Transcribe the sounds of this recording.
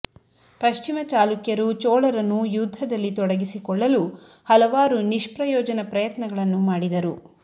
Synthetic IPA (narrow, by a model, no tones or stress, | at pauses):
pɐʃt͡ʃimɐt͡ʃaːlukjɐɾut͡ʃɔːɭɐɾɐnːujud̪ʱːɐd̪ɐlːit̪ɔɽɐɡisikɔɭːɐlu | hɐlɐʋaːɾuniʃpɾɐjɔːd͡ʒɐnɐpɾɐjɐt̪nɐɡɐɭɐnːumaːɽid̪ɐɾu